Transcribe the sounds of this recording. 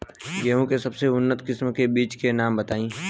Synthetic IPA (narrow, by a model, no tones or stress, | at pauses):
jɐɦũkesɐbseʊnːət̪kɪsmkebiːt͡ʃkenaːmbɐt̪aːĩː